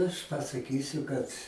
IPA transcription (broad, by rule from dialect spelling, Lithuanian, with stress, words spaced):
ˈɐʃ pɐsɐˈkʲiːsʲʊ ˈkɐt